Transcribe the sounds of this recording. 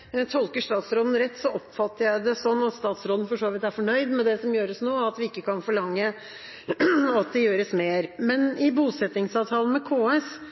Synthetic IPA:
t̪ʰɔlkəʂt̪ɑːt̪sɾoːd̪n̩ɾɛt̪ːsɔɔpfɑt̪ːəɾjæɪd̪ɛsɔnːɑt̪st̪ɑːt̪sɾoːd̪n̩fɔʂoːʋɪt̪æɾfɔɳœʏd̪mɛd̪ɛsɔmjøːɾəsnoːɑt̪ʋɪɪkːəkɑnfɔɭɑŋːə | ɑt̪̚d̪ɛjøːɾəsmeːɾmɛnɪbuːsɛt̪nɪŋsɑːʋt̪ʰɑːlən̩mɛkʰoːɛs

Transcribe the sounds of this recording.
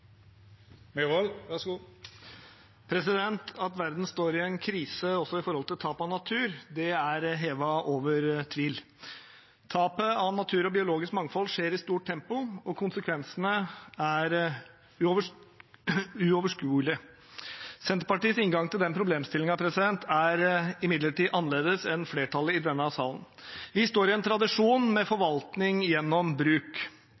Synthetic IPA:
mɛʋɔlʋæʂu | pʰɾɛsɪd̪ɛnt̪ʰɑt̪ʋæɾd̪n̩st̪oːɾɪɛnkʰɾiːsəɔsːɔɪfɔɾhɔlt̪ɪlt̪ʰɑːpɑnɑt̪ʰʉːɾd̪ɛæɾɦeːʋɑʔoːʋəɾt̪ʰʋiːl | t̪ʰɑːpəɑnɑt̪ʰʉːɾɔbɪʊloːɡɪskmɑŋfɔlːʂeːɾɪst̪uːʈ̚ʈ̪ʰɛmpʊɔkʰʊnsəkʰʋɛnsənəæɾ | ʉ | ʉɔʋəʂkʉːlɪə | sɛnt̪əɾpɑʈiːəsɪŋɡɑŋt̪ɪld̪ɛnpʰɾʊbleːmst̪ɪlɪŋɑpʰɾɛsɪd̪ɛnt̪ʰæɾɪmɪd̪ləʈiːʔɑnːəleːd̪əsɛnfleːʈʰɑlːəɪd̪ɛmːəɑʋsɑːlən | ʋɪst̪oːɾɪɛnt̪ʰɾɑd̪ɪʂuːnmɛfɔɾʋɑlt̪nɪŋjɛnːɔmbɾʉːk

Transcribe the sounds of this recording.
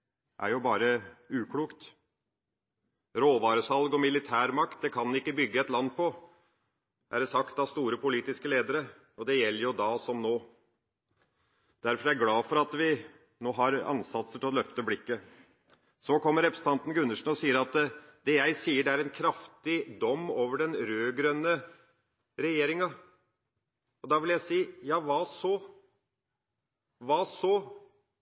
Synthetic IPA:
ʔæ̰ɾjʊbɑːɾəʉːkʰɽuːkt̪ | ɾoːʋɑːɾəsɑlɡɔmɪlɪt̪ʰæːɾmɑkt̪̚d̪ɛkʰɑnɪkːəbʏɡːəɛt̪lɑnːpʰɔ | ʔæɖɛsɑkt̪ɑʋst̪uːɾəpʊliːt̪ɪskəleːd̪əɾə | ɔd̪ɛjɛlːəɾjʊd̪ɑːsɔmnoː | d̪æɾfɔɾæɾɡlɑːfɔɾɑt̪ʋɪ | noːɦɑɾɑ̰nsɑt̪səʈʰɪlɔlœft̪əblɪkːə | sɔkʰɔmːəɾɛpɾəsət̪ʰɑnt̪n̩ɡʉnːəʂɳ̩ɔsiːəɾɑt̪d̪ɛjæɪsiːəɖɛæɾɛnkʰɾɑft̪ɪd̪ɔmːoːʋəɖɛnɾøːɡɾœnːə | ɾɛjeːɾɪŋɑ | ɔd̪ɑʋɪljæɪsiːjɑːʋɑsɔ | ʋɑːsɔ

